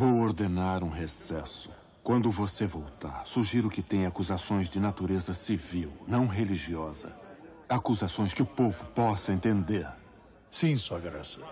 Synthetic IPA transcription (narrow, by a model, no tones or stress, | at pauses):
vowoɾd̪enaɾũɦesɛsʊ̥ | kwɐ̃nd̪ʊvosevowt̪a̰ɾsuʒiɾʊkɪt̪ẽj̃akuzasõj̃zd͡ʒɪnat̪uɾezɐsiviwnɐ̃w̃ɦeliʒiɔzɐ̰ | akuzasõj̃skɪʊpovʊpɔsɐẽnt̪ẽnd̪eɾ | sĩsuɐɡɾasɐ